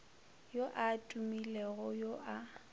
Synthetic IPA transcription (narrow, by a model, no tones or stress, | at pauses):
joʔatʼumilɛɣʊjoʔa